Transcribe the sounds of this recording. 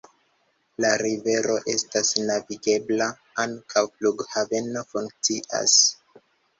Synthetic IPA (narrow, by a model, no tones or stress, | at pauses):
laɾive̞ɾo̞ʔe̞stasnaviɡe̞bla | aŋkʰawfluɡhave̞no̞fuŋk̚t͡siʔa̰s